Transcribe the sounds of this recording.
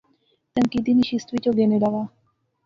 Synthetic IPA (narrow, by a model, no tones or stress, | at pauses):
t̪əŋkid̪iniʃist̪ʋit͡ɕoɡeneɖaʋa